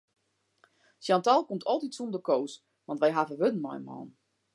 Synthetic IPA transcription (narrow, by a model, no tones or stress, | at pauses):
sjantalˠkomtʰɔlˠtitsundəkoːs | ʋɑ̃ntʋɛjɦavəʋødn̩mɔ̰jəmɔ̰ːn